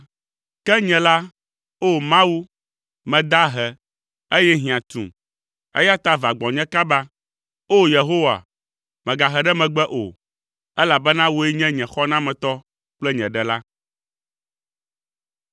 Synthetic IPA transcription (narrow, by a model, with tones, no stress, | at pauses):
kɛ˦ɲɛ̃˨la˦ | o˦mã˦wu˦ | mɛ̃˨d̪a˦ɦɛ˨ | e˦jɛ˦ɦĩ˨ã˨t̪ṵ̃˨ | ḛ˦ja˦t̪a˦va˨ɡ͡bɔ̃˨ɲɛ̃˦ka˦ba˦ | o˦je˨ɦo˦wa̰˨ | mɛ̃˨ɡa˨ɦɛ˨ɖɛ˦mɛ̃˨ɡ͡bɛ˦ʔo̰˨ | ɛ˦la˨bɛ˦nã˦wo˦ɛ˦ɲɛ̃˦ɲɛ̃˨xɔ˦nã˦mɛ̃˨t̪ɔ˦ | k͡plɛ˦ɲɛ̃˨ɖɛ˨la˦